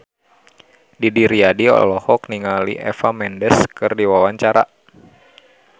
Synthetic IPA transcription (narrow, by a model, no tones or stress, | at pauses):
didiɾiadiɔ̰lɔhɔkniŋalḭʔɛ̰famɛndɛskɨrdiwawaɲt͡ʃaɾa